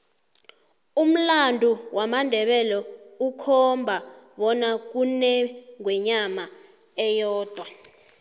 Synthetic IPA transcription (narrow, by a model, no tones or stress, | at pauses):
um̩landʱuwʔamandʱɛɓɛlɔukʰɔmbʱaɓɔnak̬unɛŋwɛɲama | ɛjɔːd̥ʱwa